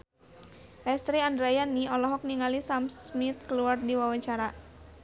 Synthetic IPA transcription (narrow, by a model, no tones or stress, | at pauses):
lɛst̪ɾiandɾajaniɔlɔɦɔk̚niŋalisamsmit̪̚kəluardiwawaɲt͡ʃaɾa